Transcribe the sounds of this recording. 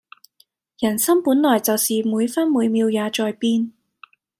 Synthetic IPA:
jɐ˨˩nsɐ˥mpuː˨˥nlɔː˨˩jt͡sɐ˨wsiː˨muː˨˧jfɐ˥nmuː˨˧jmiː˧wjaː˨˧t͡ʃɔː˨jpiː˥n

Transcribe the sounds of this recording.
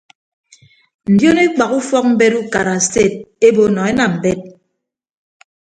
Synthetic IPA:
n̩˨djo˦ne˦k͡pa˨ku˦fɔ˦k̚m̩˦be˦ɾu˦ka˨ɾa˨ste˦˨t̚e˦bo˨˦nɔ˨e˦na˨m̩˨be˦t̚

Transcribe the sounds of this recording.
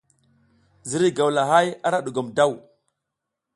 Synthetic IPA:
zi˨˦ɾi˦ɡa˨wla˨ɦa˦ja˦ɾa˦ɗu˨ɡa˨mda˦˨w

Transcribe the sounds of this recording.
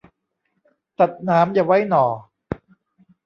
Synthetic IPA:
t̪a˨˩t̪̚naː˦˥mja˨˩wa˦˥jnɔː˨˩

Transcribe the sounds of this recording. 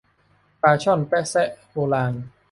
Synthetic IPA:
paː˧t͡ɕʰɔ˥˨npɛ˦˥sɛ˦˥ʔhoː˧laː˧n

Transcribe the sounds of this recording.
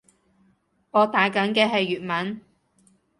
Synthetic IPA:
ŋɔː˨˧t̪aː˨˥kɐ˨˥nkɛː˧ɦɐ˨jːyː˨t̚mɐ˨˥n

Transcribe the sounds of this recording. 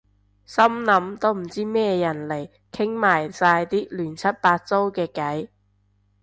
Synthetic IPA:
sɐ˥mnɐ˨˧˥mt̪o˥wm̩˨˩t͡siː˥mɛː˥jɐ˨˩nle˨˩j | kʰɪ˥ŋmaː˨˩jsaː˧jt̪iː˥lyː˨˩nt͡sʰɐ˥t̚paː˧t̚t͡so˥wkɛː˧kɐ˨˥j

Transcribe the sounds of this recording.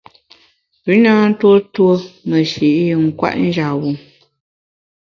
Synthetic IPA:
bi˨˦naː˦n̩˦two˦two˦mə˨ʃi˨ʔji˨ŋ̩˦kwa̰˦ʔn̩˦d͡ʒa˨wu˨

